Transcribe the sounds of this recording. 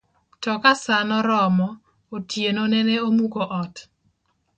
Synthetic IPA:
tɔkasanɔɾɔmɔ | otjenonɛneomukoʔɔt

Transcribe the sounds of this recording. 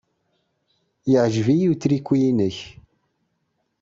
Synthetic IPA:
jəʕʒvijit͡sːɾikʷːijinəç

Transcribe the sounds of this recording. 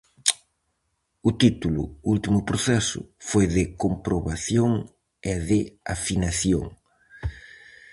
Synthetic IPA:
ʊt̪it̪ulʊ̰ult̪imʊpɾoθɛsʊ̰fojðɪkompɾoβaθjoŋ | ɛðɪa̰finaθjo̰ŋ

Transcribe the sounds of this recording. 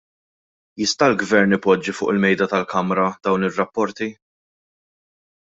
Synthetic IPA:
jɪst̪ɐlɡvɛɾnɪpːɔd͡ʒːifʊ̰ːʔɪlmɛjd̪ɐt̪ɐlkɐmɾɐd̪̥ɐwnɪrːɐpːɔɾt̪i

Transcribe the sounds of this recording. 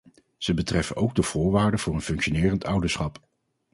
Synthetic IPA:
z̥əbətrɛfənʔowɡ̚dəv̥ʊːɹʋaːɹdəvʊːɹənfɵŋkʃonɪːrəntʌwdəɹsχɑp

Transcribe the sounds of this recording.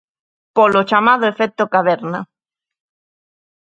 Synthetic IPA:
polot͡ʃamað̞oefet̪okaβeɾna

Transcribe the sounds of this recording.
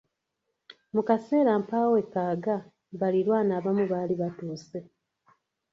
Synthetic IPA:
mukase̞ːɾampaːwekːaːɡa | βaliɾwaːnaːβamuβaːliβatuːse

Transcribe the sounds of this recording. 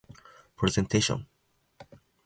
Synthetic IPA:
pʰɾɛzɛ̃ntʰeʃɔ̰̃n

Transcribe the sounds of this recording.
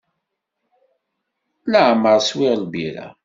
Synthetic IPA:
ləʕməɾˤswɪʁlbiɾa̰

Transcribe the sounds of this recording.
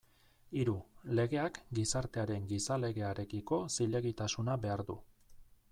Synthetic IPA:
iɾule̞ɣe̞akɡisaɾt̪e̞aɾe̞ŋɡisale̞ɣe̞aɾe̞kiko̞siʎe̞ɣ̞it̪asunaβe̞aɾðṵ

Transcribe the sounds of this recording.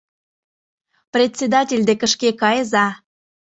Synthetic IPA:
prʲet̪ʲsʲed̪ɑtʲelʲd̪ekəʃkekɑjəzɑ

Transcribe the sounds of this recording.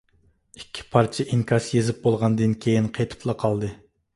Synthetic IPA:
ikʲʰːi̥pʰɑɾt͡ʃʰɪʔiŋkʰɑʃjezɪp̚bolˠʁɑnd̪ɨnkʲʰejinqʰejt̪ʰɨ̥plˠɑqʰɑlˠd̪ɨ

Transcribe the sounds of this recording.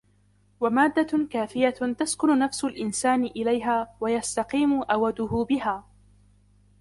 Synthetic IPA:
wamaːd̪ːakaːfɪjat̪askʊnʊnafsʊlʔɪnsaːnɪʔɪlajɦaːwajast̪ɑqiːmʊʔawad̪ʊhʊbɪɦaː

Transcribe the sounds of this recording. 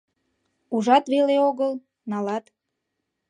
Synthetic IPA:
uʒɑt̪βeleoɣəl | nɑlɑt̪

